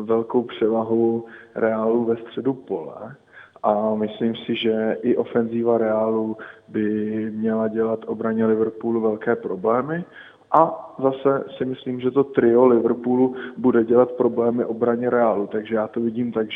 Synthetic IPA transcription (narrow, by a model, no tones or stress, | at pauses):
vɛlko̞wpr̝̥ɛvaɦuɾɛaːluvɛst̪r̝̥ɛdupo̞lɛ̰ | ʔamɪsliːmsɪʒɛʔɪʔo̞fɛnziːvaɾɛaːlubɪmɲɛlaɟɛlat̪ʔo̞bɾaɲɛlɪvɾpuːluvɛlkɛːpɾo̞blɛːmɪ | ʔazasɛsɪmɪsliːmʒɛt̪o̞t̪ɾɪo̞lɪvɾpulubudɛɟɛlat̪pɾo̞blɛːmɪʔo̞bɾaɲɛɾɛaːlut̪aɡʒɛjaːt̪ovɪɟiːmt̪aɡʒ